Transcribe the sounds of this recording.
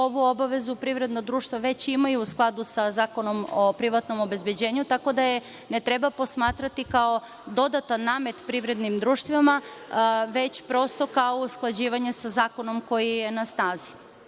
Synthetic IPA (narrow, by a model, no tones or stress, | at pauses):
o̞ʋuo̞baʋe̞zupɾiʋɾe̞d̪nad̪ɾuːʃt̪ʋaʋe̞t͡ɕimajuːsklˠad̪usazaːko̞no̞mopɾiʋat̪no̞mo̞be̞zbed͡ʑe̞ːɲut̪ako̞d̪aje | net̪ɾe̞bapo̞smaːt̪ɾat̪ikao̞ | d̪o̞d̪at̪anːaːme̞t̪pɾiʋɾe̞d̪nimd̪ɾuːʃt̪ʋima | ʋe̞t͡ɕpɾo̞st̪o̞kaousklˠad͡ʑiːʋaɲesazaːko̞no̞mko̞jije̞nasnaːzi̥